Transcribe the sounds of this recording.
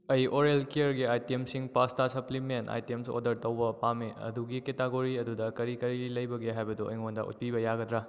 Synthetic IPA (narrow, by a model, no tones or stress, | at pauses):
ɐjoɾelkiɐɾɡiajtemsiŋpastasɐplimenta̰jtemso̰dɐɾtɐwbɐpameɐ̰duɡiketaɡoɾiɐdudɐkɐɾikɐɾilɐjbɐɡeɦajbɐduɐ̰jŋondɐ̰ṵt̚pibɐjaɡɐdɾa